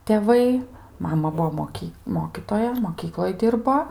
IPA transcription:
tʲɛˈʋɐɪ ˈmɑːmɐ ˈbʊʋoː moːˈkʲiː ˈmoːkʲiːtoːjɛ moːˈkʲiːklˠoːj ˈdʲɪrboː

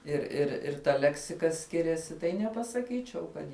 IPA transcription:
ɪr ɪr ɪr tɐ ˈlʲæːksʲɪkɐ ˈsʲkʲɪrʲɛsʲɪ tɐɪ nʲɛpɐsɐˈkʲiːt͡ʃʲɛʊ ˈkɐt

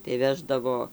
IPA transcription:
tɐɪ ˈʋʲæːʒdɐʋoː

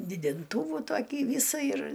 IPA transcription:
dʲɪdʲɪnˈtuːʋuː ˈtoːkʲiː ˈʋʲiːsɐ ɪr

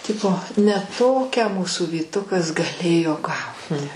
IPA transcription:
ˈtʲɪpoː nʲɛ ˈtoːkʲæː ˈmuːsuː ʋʲiːˈtʊkɐs ɡɐˈlʲeːjoː ˈɡɐʊtʲɪ

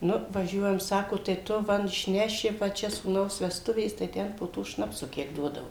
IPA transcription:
ˈnʊ ʋɐˈʒʲuɔjɛm ˈsɑːkoː tɐɪ ˈtʊ ˈʋɐ ɪʃʲˈnʲæːʃʲɪ ʋɐ ˈt͡ʃʲɛ suːˈnɐʊs ʋʲɛsˈtʊʋʲeːs tɐɪ ˈtʲɛn poː ˈtoː ˈʃnɑːpsʊ ˈkʲiɛk ˈduɔdɐʋoː

